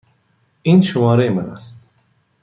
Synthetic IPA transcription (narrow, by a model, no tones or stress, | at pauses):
inʃʊmɒːɾeimana̰st̪